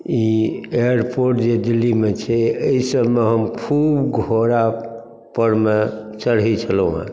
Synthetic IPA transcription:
ieəɾpoɾʈd͡ʒed̪ilːimet͡ʃʰɛəisəbmeɦəmkʰubɡʱoɾa | pəɾmet͡ʃəɽɦit͡ʃʰəlũɦã̰

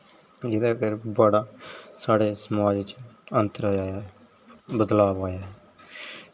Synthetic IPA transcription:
d͡ʒɪd̪aːkəɾbaːɽaːsaːɽeːsəmaːd͡ʒt͡ʃənt̪əɾaːja | bəd̪laːbaːjaːɛ

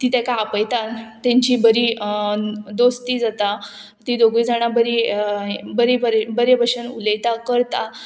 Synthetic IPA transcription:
t̪it̪ekaapəjt̪at̪ãɲt͡ɕiːbəɾi | d̪ost̪iːd͡zat̪a | t̪id̪oɡʋid͡zaɽ̃abəɾi | bəɾebəɾbəɾebəɕənuləjt̪akəɾt̪a

